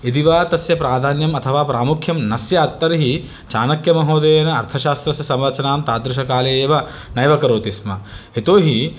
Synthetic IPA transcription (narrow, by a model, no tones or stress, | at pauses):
id̪iʋaːt̪ɐsjɐpɾaːd̪ʱaːnjɐmɐt̪ʰɐʋaːpɾaːmukʰjɐmnɐsjɐːt̪ːɐɾɦi | t͡ʃaːnɐkjɐmɐɦoːd̪eːjɐnɐɐɾt̪ʰɐʃaːst̪ɾɐsjɐsɐmɾɐt͡ʃɐnaːmt̪aːd̪ɾɪʃ̬ɐkaːleeːʋɐ | nɐjʋɐkɐɾoːt̪ismɐet̪oːɦi